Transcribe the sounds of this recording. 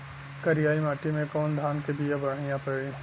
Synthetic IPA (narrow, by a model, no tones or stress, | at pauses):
kɐɾijaːimaːʈimẽkɔːnd̪ʱaːnkebijabɐɾ̤aːɪjãpɐɾɽĩ